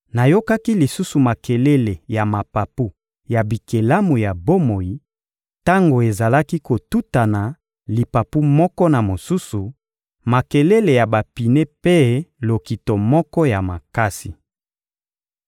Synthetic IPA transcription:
na˨jo˦ka˦ki˦li˨su˦su˨ma˨ke˨le˦le˨ja˨ma˨pa˨pu˦ | ja˨bi˨ke˨la˦mu˨ja˨bo˦mo˨ji˨ | ta˦ŋɡo˨e˨za˨la˦ki˦ko˨tu˦ta˨na˨ | li˨pa˨pu˦mɔ˦kɔ˦na˨mo˨su˦su˨ | ma˨ke˨le˦le˨ja˨ba˨pi˨ne˦pe˦lo˨ki˨to˨mɔ˦kɔ˦ja˨ma˨ka˦si˨

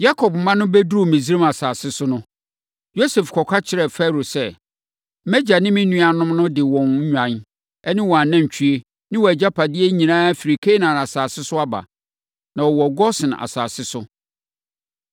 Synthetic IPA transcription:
ja˦kʰɔ˨pm̩˨mã˦nʊ̃˦be˦du˦˨mĩ˨zi˦ɾa˦ma˨saː˨sɪ˦sʊ˦nʊ̃˦ | jo˦se˨fkʰɔ˨kʷʰa˦t͡ɕʰɪ˦ɾɛ˨fɛ˦˨ɾo˨sɛ˦ | mɛ˦d͡ʑa˨nɪ̃˦mɪ̃˦nũ˦a˨nʊ̃˦mnʊ̃˦dɪ˨wɔ̃˨n̩˦ɲᶣã˨n | ɛ˦nɪ̃˦wɔ˨a˨nã˦ɲ˨t͡ɕᶣʰi˦e˦ | nɪ̃˦wɔ˨æ˨d͡ʑa˦pʰa˨dɪ˦e˦ɲĩ˨nãː˦æ˦fi˨ɾi˨kʰe˦nã˨na˨saː˨sɪ˦sʊ˦a˦ba̰˨ | nã˨wɔ˨wɔ˨ɡɔ˦sɪ̃˨n˨a̰˨sa̰ː˨sɪ˦sʊ˦

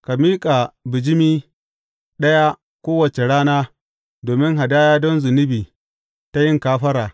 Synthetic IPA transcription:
ka˨miː˦kʼa˨bɪ˨d͡ʒɪ˦miː˦ | ɗɐ˦ja˦ | kʷoː˦wɐ˨t͡ʃe˨ɽaː˦naː˦ | doː˨mɪ˦ŋɦa˨daː˦jaː˦dɔ˦nzʊ˨nɪ˦biː˨ | ta˦jɪ˦ŋkaː˦ɸɐ˦ɾaː˨

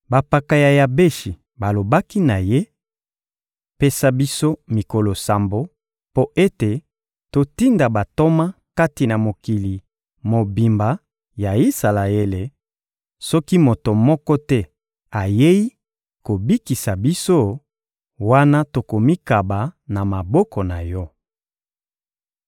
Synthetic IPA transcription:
ba˨pa˨ka˨ja˨ja˨be˦ʃi˨ | ba˨lo˨ba˦ki˦na˨je˦ | pe˦sa˦bi˦so˦mi˨ko˨lo˨sa˨mbo˦ | po˦ʔe˦te˨ | to˨ti˦nda˨ba˨to˦ma˦ | ka˦ti˨na˨mo˨ki˨li˨ | mo˨bi˨mba˨ | ja˨i˦sa˨la˨e˦le˨ | sɔ˦ki˦mo˨to˨mɔ˦kɔ˦tɛ˦ | a˨je˦ji˦ | ko˨bi˦ki˨sa˨bi˦so˦ | wa˦na˦to˨ko˨mi˦ka˨ba˨na˨ma˨bɔ˦kɔ˨na˨jɔ˦

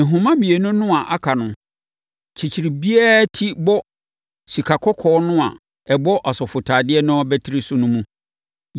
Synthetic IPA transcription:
ɦʊ̃˨mã˦mĩ˨e˨nʊ̃˦nʊ̃˦a˨ʔa˦kʰa˨nʊ̃˨ | t͡ɕʰi˨t͡ɕʰi˨ɾi˨bi˦ɛ˦tʰi˦bɔ˦ | si˨kʰa˨kʰɔ˦kʰɔː˨˦nʊ̃˦a̰˨ | ɛ˨bɔ˦ʔa˨sɔ˨fʊ˨tʰaː˨dɪ˦ɛ˦nʊ̃˦ɔ˦bɛ˦tʰɪ˦ɾi˦sʊ˦nʊ̃˦mũ˦

